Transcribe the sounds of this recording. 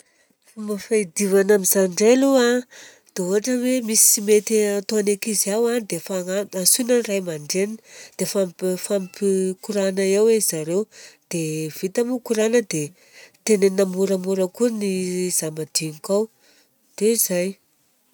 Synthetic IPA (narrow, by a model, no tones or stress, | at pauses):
fumafaid̪ivanamizaɳɖ͡ʐelua | d̪̥eoɦaʈ͡ʂəwemisimet̪iat̪oanekizawad̪efaaasunanrajmaɳɖ͡ʐeninid̪̥efamfampikuɾanəewezaɾewd̪̥ev̥it̪amukuɾanəd̪e | t̪enenamuɾamuɾəkuniz̥amad̪̥iŋikaw | d̪̥ezaj